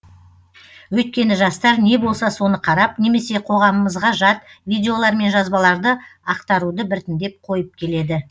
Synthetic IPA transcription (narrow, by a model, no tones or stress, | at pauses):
wɵt̪̚kʲe̞nɪʒɑst̪ɑɾne̞bo̞lˠsɑso̞nəqʰɑɾɑpne̞me̞se̞qʰo̞ʁɑməməzʁɑʒɑt̪vʲijd̪ʲe̞o̞lˠɑɾme̞nʒɑzbɑlˠɑɾd̪əɑqt̪ɑɾud̪əbɪɾt̪ɪnd̪e̞p̚qʰo̞jəp̚kʲʰe̞le̞d̪ɪ